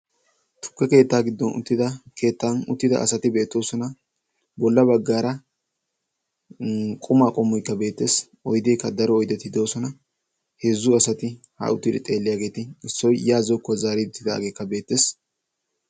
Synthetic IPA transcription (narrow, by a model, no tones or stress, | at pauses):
t̪ʰʊ̥kːɛke̞ːt̪ːaːɡɪd̪ːɔnʊ̰t̪ːɪd̪ɐke̞ːt̪ːanʊ̰t̪ːɪd̪ɐ̰ʔɐ̰sɐt̪ɪbeːt̪ːo̞ːsɔnɐ | bɔlːɐbɐɡːaːɾɐ | kʼʊmaːkʼɔmːɔjkːɐbe̞ːt̪ːe̞ːs | ɔjd̪ejkːɐd̪ɐɾɔːjd̪ɛt̪ːɪd̪o̞ːsɔnɐ | heːzʊɐsɐt̪ɪ | hɐ̰ʊt̪ːɪd̪ɛt̪ʼe̞ːlːɪjaːɡe̞ːt̪ɪɪsːɔjjaːzɔkːʊɐzaːɾiʊt̪ːɪd̪a̰ːɡe̞ːkːɐbe̞ːt̪ːe̞ːs